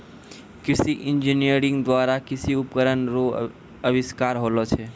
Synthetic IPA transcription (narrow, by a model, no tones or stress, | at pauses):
kɪsiʔɪ̃nd͡ʒinijəɾɪ̃ŋɡd̪waːɾakɪsiʊpkəɾənɾo | əʋɪskaːɾɦolot͡ʃʰe